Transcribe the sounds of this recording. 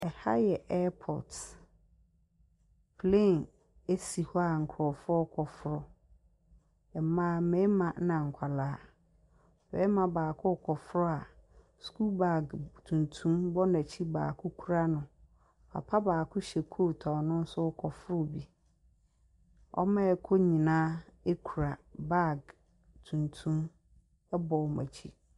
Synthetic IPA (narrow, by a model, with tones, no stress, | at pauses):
ɛ˨ha˦jɛ˨ʔɛ˦pʰɔ̰˨t | pʰle˦˨n | e˦si˨hɔ˦a˨ŋ̩˨kʰɾɔ˨fɔ˦ɔ˦kʰɔ˨fɾɔ˦ | ɛ˨˦mãː˦mɛ̃˨˦mã˨˦nã˨ŋ̩˨kʷʰa˨laː˨˦ | fɛ˦mã˨baː˨kʰʊ˦˨kʰɔ˨fɾɔ˦a˨ | skʰu˦ba˨ɡtʰũ˨ntʰũ˦mbɔ˦nã˨t͡ɕʰi˦baː˨kʰʊ˦kʰu˦ɾa˦nʊ̃˨ | a̰˨pʰa˦baː˨kʰʊ˦ɕɛ˨kʰo˦tʰɔ̃˨nʊ̃˦n̩˦sʊ˦kʰɔ˨fɾʊ˦˨bi˦ | ɔ̰˦mã˦ɛ˨kʰo˦ɲĩ˨nãː˦e˦kʰu˨ɾa˨ba˦˨ɡ | tʰũ˨ntʰũ˦m | ɛ˦bɔ˨mã̰˨t͡ɕʰi˦